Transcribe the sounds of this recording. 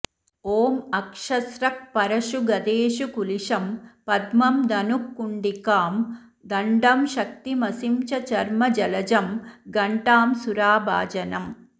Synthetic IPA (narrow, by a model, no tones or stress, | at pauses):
oːmɐkʂɐsɾɐk̚pɐɾɐʃuɡɐd̪eːʃukuliʂɐmpɐd̪mɐmd̪ɐnukːuɳɖikaːm | d̪ɐɳɖɐmʃɐk̚t̪imɐsimt͡ʃɐt͡ʃɐɾmɐd͡ʒɐlɐd͡ʒɐmɡɐɳʈaːmsuɾaːba̰ːd͡ʒɐnɐm